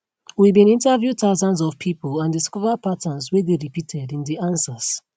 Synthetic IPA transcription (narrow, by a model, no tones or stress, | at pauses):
wibĩnĩntəvjutaʊzãnzɔv̥pʰipəlãndiskɔvəd̚patʰə̃nzwedeɹipitʰɛdĩndiãnsəz̥